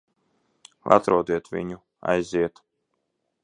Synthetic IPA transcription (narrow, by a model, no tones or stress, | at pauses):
lʔa̰t̪ɾuɔd̪iɛt̪vḭɲu | a̰jziɛt̪